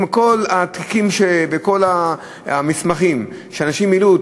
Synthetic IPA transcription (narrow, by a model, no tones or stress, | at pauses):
mko̞lat̪ki̥kimʃebeko̞la | mismaχim | ʃeanaʃimilu